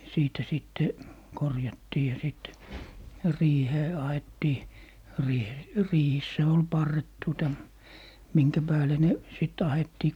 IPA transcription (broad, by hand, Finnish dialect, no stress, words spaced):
siːtæ sitːe korjɑtːiː jɑ sit riːheː ɑhetːiː riːhe riːhisːæ ol pɑrːet tuotɑ miŋkæ pæːle ne sit ɑhetːiː